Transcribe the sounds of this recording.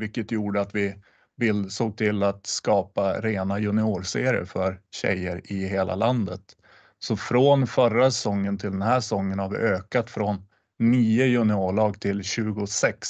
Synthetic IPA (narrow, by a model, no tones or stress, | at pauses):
vɪkːət̪juːɖəat̪vɪ | bɪld̪soːɡ̚t̪ʰɪlːat̪skɑːpaɾeːnajɵnɪoːɾseːɾɪə̰fœɾɕɛ̰jəɾɪɦeːlʔa̰land̪ət̪ | sɔfɾonfœɾasɛsɔŋːənt̪ʰɪld̪ɛnɦæːʂɛsɔŋːənhaɾvɪ̰ʔøːkat̪fɾɔnː | iːəjɵnɪoːɭɑːɡt̪ʰɪlɕʉ̟ːɡʊsɛks